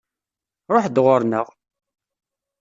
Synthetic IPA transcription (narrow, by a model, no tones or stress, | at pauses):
ɾˤoħd̪ʁʊɾˤnəʁ